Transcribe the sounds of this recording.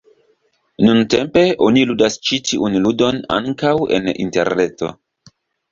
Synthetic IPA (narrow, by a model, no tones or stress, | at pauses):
nunte̞mpe̞ʔo̞niludast͡ʃitʰiʔunludo̞na̰ŋkawe̞̰nḭnte̞̰ɾne̞to̞̰